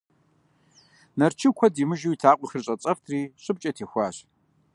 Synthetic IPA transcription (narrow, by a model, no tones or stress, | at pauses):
nɐrt͡ʃʰɨkʷʰɐdiːmɨʒiwitʰaːqʷʼʊxɨrɕʼɐt͡sʼɐftʰriːɕʷɨp̚t͡ʃʼɐtʰeːxʷaːɕ